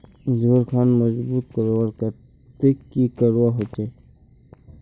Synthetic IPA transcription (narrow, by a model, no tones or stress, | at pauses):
zoːɾkʰaːnmɐzbuːt̪̚kəɾwaɾkɐ | t̪ekːikəɾwaɦot͡ʃe